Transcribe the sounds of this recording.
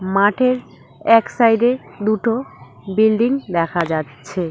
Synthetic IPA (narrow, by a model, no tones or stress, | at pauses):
maʈʰeɾ | ɛksajɖed̪uʈo | bilɖiŋd̪ɛkʰad͡ʑatːɕʰe